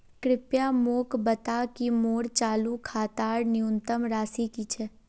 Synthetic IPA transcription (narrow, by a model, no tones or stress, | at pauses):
kɾɪpjamoːkbət̪akimoːɾt͡ʃaːlukʰaːt̪aːɾnɪunt̪əmɾaːsikit͡ʃʰɛ